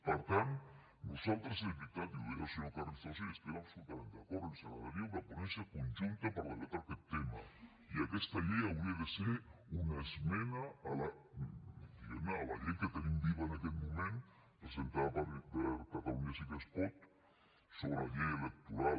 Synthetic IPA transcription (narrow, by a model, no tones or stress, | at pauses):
paɾt̪an | nosalt̪ɾeselβit̪at̪juðeɣasonokarist̪asjonest̪eβaaβsulut̪ament̪eakoɾelsenaβaɾiaunaponẽnsjakonʒunt̪apaɾaðelat̪aɾaket̪ːema̰ | iakest̪aʎeawɾiaðeseɾunaezmenaala | d̪iɣemaala̰ʝeŋket̪enimbiβaenakelmũmẽn | pɾesent̪aðapaɾpeɾkat̪aluniasik̪espot̪ | soβɾeaʎejelek̚t̪uɾa